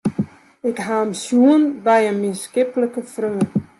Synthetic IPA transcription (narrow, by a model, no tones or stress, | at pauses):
ɪkɦaːmsjuənbɛjənmɪnskɪpələkəfrøː